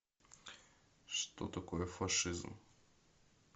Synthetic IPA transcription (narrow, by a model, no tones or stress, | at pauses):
ʂt̪o̰t̪ɐkojɛfɐʂɨzm